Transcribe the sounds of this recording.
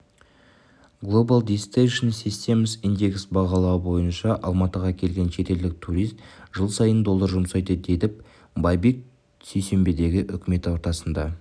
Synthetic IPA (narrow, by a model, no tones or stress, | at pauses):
ɡlˠo̞balˠd̪ʲist̪eʃənsist̪e̞məsind̪ʲe̞ksbɑʁɑlˠɑwəbo̞jənʃɑʔɑ̰lˠmɑt̪əʁɑkʲʰe̞lɡʲe̞nʃe̞t̪e̞ld̪ɪk̚t̪ʰuɾijzt̪ʒ̥əlˠsɑjənd̪o̞lˠːəɾʒʊmsɑjd̪əd̪e̞d̪ɪp̚ | bɑjbe̞k̚ | sejse̞mbe̞d̪e̞ɡʲɪʔʏkʲɪme̞t̪wo̞ɾt̪ɑsənd̪ɑ